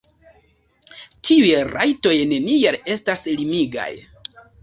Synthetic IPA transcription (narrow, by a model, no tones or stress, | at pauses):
tʰiujeɾajto̞jne̞niale̞staslimiɡa̰j